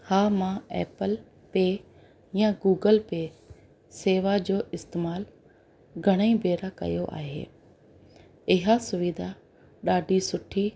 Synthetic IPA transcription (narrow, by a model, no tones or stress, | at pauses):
haːmãɛ̰ːpəl | pe | jãɡuːɡəlpe | seːʋad͡ʑoːɪst̪eːmaːl | ɡʱɐɽ̃ẽĩbʱeːɾakɐ̰joʔa̰ːɦḛː | ɪɦasʊʋid̪ʱa | ɗaːɖʱisʊʈʰi